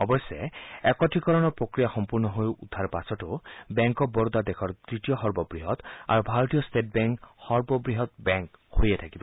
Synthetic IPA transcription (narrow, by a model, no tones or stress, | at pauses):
ɔbɔjsɛɛkɔtʰikɔɹɔnɔɹpɹokɹijaxɔmpuɹnɔɦojudʱːaɹpasɔtʊbɛŋkɔk̚bɔɹd̪adɛkʰɔɹtɹitijɔxɔɹbɔbɹiɦɔt̪a̰ɹubʱaɹot̪ijɔstet̚bɛŋkhɔɹbɔbɹiɦɔt̪̚bɛŋkhoɹiɛtʰakibɔ